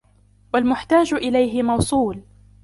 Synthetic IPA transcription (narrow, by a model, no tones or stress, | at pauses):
walmʊħt̪aːd͡ʒʔɪlajɦɪmɑwsˤuːl